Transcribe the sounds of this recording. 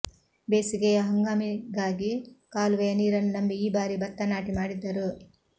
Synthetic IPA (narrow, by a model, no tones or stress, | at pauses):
beːsiɡeɐɦɐŋɡaːmiɡaːɡikaːluʋejɐniːɾɐnunɐmbiiːbaːɾibɐt̪ːɐnaːʈimaːɽid̪ːɐɾu